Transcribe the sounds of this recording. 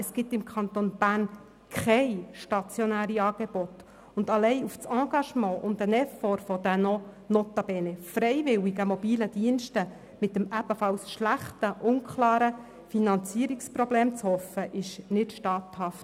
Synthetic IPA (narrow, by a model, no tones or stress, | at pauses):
əsɡ̥ɪtɪmkʰɑnt̪onb̥æːrn | kχɛjʃtɑt͡sjɔnæːɾiɑːɡ̥eb̥ɔt | ʊndɑlɛɪuft͡sɑ̃ːɡ̥ɑʃmɑ̃ːʔʊndənɛfɔɾfɔd̥̪ənɔ | not̪ɑb̥ɛːnɛfɾɛɪʋɪwiɡəmɔbiːləd̥iənʃtə | mɪtːəmæb̥əfɑlsʃlæχtəʔʊnkʰχlɑːɾə | finɑnt͡siəɾikspɾɔbleːmt͡shɔfəʔɪʃnɪtʃtɑːthɑft